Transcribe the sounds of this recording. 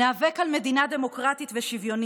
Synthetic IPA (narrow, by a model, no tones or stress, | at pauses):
aːvekalme̞d̪inad̪e̞mo̞kʁatitveʃivjo̞n